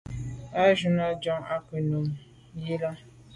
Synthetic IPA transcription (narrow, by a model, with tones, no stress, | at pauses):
a˦ʒu˨na˦d͡ʒɔ̃˦ŋa˦ki˨nõ˨m˨ | ji˦la˦